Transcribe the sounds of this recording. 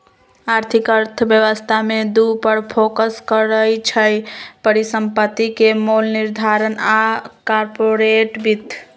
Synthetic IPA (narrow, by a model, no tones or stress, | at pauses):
aɾt̪ʰikəɾt̪ʰəbjəʋəst̪ʰamed̪upəɽpʰokəskəɾəjt͡ʃʰəjpəɾisəmpət̪ːikemolniɾd̪ʱaɾənakaɾpoɾeʈbit̪ː